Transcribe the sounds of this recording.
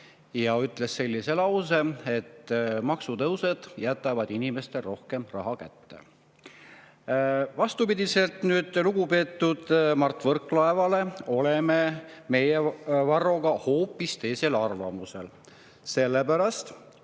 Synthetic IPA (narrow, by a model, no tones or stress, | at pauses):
jɑyt̪ˑle̞se̞lʲːise̞lɑws̬ee̞t̪ːmɑksut̪ɤwse̞d̪̥jæt̪ˑːɑvɑd̪̥inime̞st̪ero̞hke̞mrɑɦɑkæt̪ːe̞̰ | vɑst̪upid̪̥ʲise̞lt̪nyːd̪̥luɡ̥upe̞ːt̪ˑːud̪̥mɑrt̪ːˑvɤrkːˑlɑe̞vɑle̞o̞lememe̞jevɑrːo̞ɡ̥ɑho̞ːpːˑist̪e̞ːselɑrvɑ̰muse̞̰l | se̞lːepæɾɑst̪